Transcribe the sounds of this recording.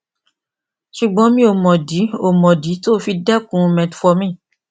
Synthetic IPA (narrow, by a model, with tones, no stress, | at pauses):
ʃu˨ɡ͡bɔ̃˨˧˦mĩ˧˦o˧mɔ̃˨di˨˦o˧˨mɔ̃˨di˨˦toː˦fi˧dɛ˦kũ˨˦˧mɛ̃˨tfɔ˧mĩ˦˨